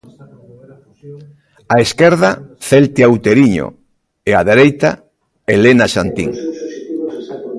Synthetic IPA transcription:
aeskɛɾðaθelt̪eawt̪eɾiɲo̰ | eaðeɾejt̪a̰ | elenaʃant̪ḭŋ

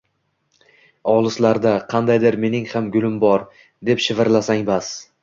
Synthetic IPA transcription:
ɒlˠɪslaɾd̪aqʰɑnd̪ajd̪ɪɾme̞nɪŋhamɡʊlɪmbɒɾ | d̪e̞pʃɪvɪɾlasaŋbas

